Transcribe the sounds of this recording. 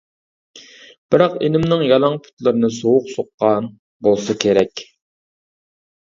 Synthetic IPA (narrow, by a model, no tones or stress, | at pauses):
b̥ɪɾɑqenɪmnɨŋjɑlˠɑŋpʰʊ̥t̪lˠɨɾɨnɨsowʊqsoqːɑn | bolˠsɑkʲʰeɾɛkʲ